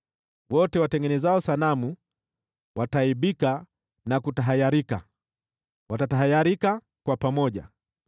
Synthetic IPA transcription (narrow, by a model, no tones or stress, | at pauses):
wɔtɛwatɛŋɡɛnɛzaɔsanamu | wʔataiɓika | nakutaɦajaɾika | watataɦajaɾika | kwapamɔʄa̰